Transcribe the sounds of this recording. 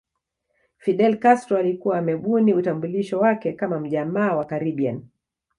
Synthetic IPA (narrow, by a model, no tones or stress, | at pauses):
fiɗɛlkastɾɔalikuwaːmɛɓuniutambuliʃɔwakɛkamam̩ʄamaːwakaɾiɓia̰n